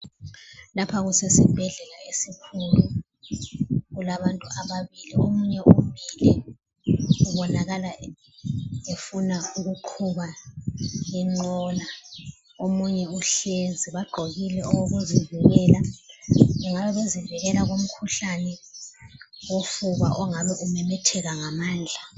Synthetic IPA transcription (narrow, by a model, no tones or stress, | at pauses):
lapʰaɣusɛsib̥ʱɛɮɛlaesikʰulu | ɣulaβantʼuaβaβiliomuɲɛʔumilɛ | uβɔnaɣala | efunauɣuǃʰuβa | jɛŋ͡ǃɔla | omuɲɛuɬeziβaɡ͡ǃʱoɣilɛʔɔwɔɣuzivɛɣɛːla | uŋaβɛβeziviɣɛlaɣom̩kʰuɬanɛ | wofuβa̰ʔɔŋaβɛʔumɛmɛtʰɛɣaŋamaːnd͡ɮʱa